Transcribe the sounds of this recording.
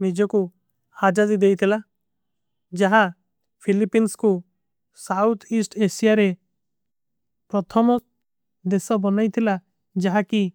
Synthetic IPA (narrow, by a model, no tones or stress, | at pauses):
nid͡ʒɔku | had͡ʒazid̪ejt̪ʰila | d͡ʒaɦa | pʰilipinsku | sawt̪ʰisʈesijaɾe | pɾɔt̪ʰɔmɔ | d̪esɔbɔnajt̪ʰila | d͡ʒaɦaki